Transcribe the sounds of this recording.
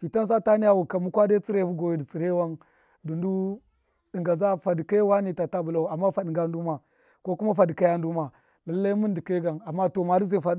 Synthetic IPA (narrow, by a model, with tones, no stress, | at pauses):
fi˨ta˦ns̬a˦ta˦ni˦ja˦wu˨ka˨mu˦kʷa˦da˦t͡si˦ɾe˦˨vu˦ɡo˨ji˨˦di˨t͡si˨ɾe˦wa˦n | du˨ndu˦ | di˨ŋɡa˨za˦fa˨di˨ka˦wa˦ni˨ta˨ta˦bu˨la˦˨a˨mːa˦fa˨ɗi˨ŋɡa˦n˦du˦ma˨ | ko˦ku˦ma˦fa˨di˨ka˦ja˦n˦du˦ma˨ | la˨lːa˦i˦mu˦n˦di˨ke˦ɡa˨na˨mːa˦to˨ma˨di˦ze˨fa˨d